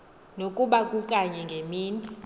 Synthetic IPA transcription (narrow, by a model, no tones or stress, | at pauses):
nokʼuɓakʼukʼaɲɛŋɡʱemiːni